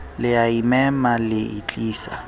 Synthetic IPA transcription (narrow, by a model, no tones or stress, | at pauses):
lɪjaimɛmalɪit͡ɬʼiːsa̰